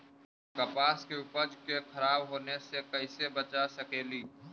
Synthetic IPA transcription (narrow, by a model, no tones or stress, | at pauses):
kɐpaːskeʊpəd͡ʒkekʰɐɾaːbɦoːnesekɐɪsebət͡ʃasəkeːliː